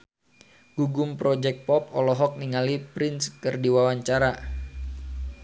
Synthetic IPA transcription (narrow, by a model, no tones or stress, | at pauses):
ɡ̥uɡʊmpɾɔd͡ʒɛk̚t̪̚pɔp̚ɔlɔɦɔk̚niŋalipɾɪnskərdiwawaɲt͡ʃaɾa